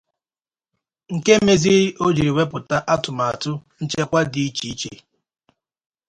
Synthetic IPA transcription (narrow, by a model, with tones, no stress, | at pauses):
ŋ̩˨ke˦me˦zi˦ɾo˦d͡ʒi˨ɾi˨we˦pʊ˨ta˦ʔa˦tʊ˨ma˨a˨tʊ˦n̩˦t͡ʃe˦kʷa˦di˨i˦t͡ʃi˨˦t͡ʃe˨